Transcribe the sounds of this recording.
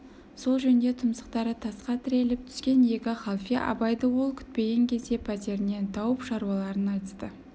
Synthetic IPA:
so̞lˠʒɵnd̪e̞t̪ʰʊmsə̥qt̪ɑɾət̪ʰɑsqɑt̪ʰɪɾe̞lɪp̚t̪ʰʏ̥skʲe̞nje̞kʲɑχɑlˠfʲijɑ̰ʔɑ̰bɑjd̪əwo̞lˠkʲʰʏ̥t̪̚pe̞ɡʲe̞ŋkʲʰe̞zd̪e̞pʰæt̪e̞ɾɪne̞nt̪ʰɑwəpʃɑɾuɑlˠɑɾənɑjt̪əst̪ə

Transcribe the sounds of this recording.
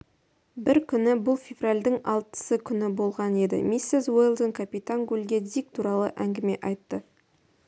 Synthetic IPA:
bɪɾkʲʰʏnɪbʊlˠfʲe̞vralʲd̪ɪŋɑ̰lˠt̪ə̥səkʲʰʏnɪbo̞lˠʁɑne̞d̪ɪ̰misːezwojlˠd̪əŋkʰapit̪aŋɡulʲɡʲed̪ik̚t̪ʰuɾɑlˠə̰ʔæŋɡʲɪme̞ʔɑjt̪ːə

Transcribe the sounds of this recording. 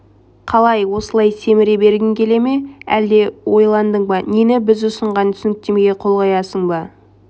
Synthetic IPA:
qʰɑlˠɑjwo̞səlˠɑjse̞mɪɾebe̞ɾɡʲɪŋkʲʰe̞le̞me̞æ̰ld̪e̞wo̞jlˠɑnd̪əɴbɑnenɪbɪzʊsəɴʁɑnt̪ʰʏ̥sɪnɪk̚t̪e̞meɡʲeqʰo̞lˠʁɑjɑsəɴbɑ

